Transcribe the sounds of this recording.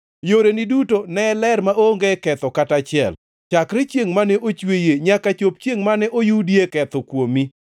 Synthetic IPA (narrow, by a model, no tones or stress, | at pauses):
joɾenɪdutonɛlɛɾmaoŋɡekɛt̪ɔkatat͡ʃɪɛ̰l | t͡ʃakɾɪt͡ʃjeŋmanɛʔot͡ʃwejeɲakat͡ʃop̚t͡ʃjeŋmanɛʔojudjekɛt̪ɔkwomi